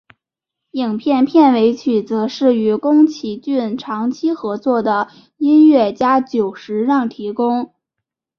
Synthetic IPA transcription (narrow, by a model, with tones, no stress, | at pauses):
i˨˩ŋpʰjɛ˥˧npʰjɛ˥˩nwe˧˥ɪt͡ɕʰy˨˩t͡sɤ˧˥ʂɻ̩˥˩y˧˥kʊ˥ŋt͡ɕʰi˧˥t͡ɕy˥˩nʈ͡ʂʰɑ˧˥ŋt͡ɕʰi˥xɤ˧˥t͡swɔ˥˩d̪ə˩ | i˥nɥɛ˥˩t͡ɕja˥t͡ɕjo˨˩ʊʂɻ̩˧˥ɻɑ˥˩ŋt̪ʰi˧˥kʊ˥ŋ